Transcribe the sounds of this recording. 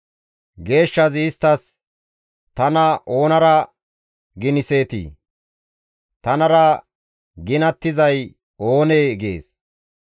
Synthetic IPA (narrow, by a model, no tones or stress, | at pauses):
ɡe̞ːʃːɐzɪːst̪ːɐs | t̪ɐnɐʔo̞ːnɐɾɐ | ɡɪnɪse̞ːt̪ḭː | t̪ɐnɐɾɐ | ɡɪnɐt̪ːɪzɐj | o̞ːneːɡḛːs